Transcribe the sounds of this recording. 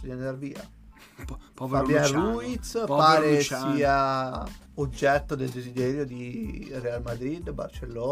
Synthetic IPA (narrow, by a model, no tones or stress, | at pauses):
d̪iend̪arviːa̰ | fabjanruit̪spaːɾesiːa | od͡ʒːɛt̪ːod̪eld̪ezid̪ɛːɾjod̪irealmad̪ɾid̪ːba̰rt͡ʃelːoː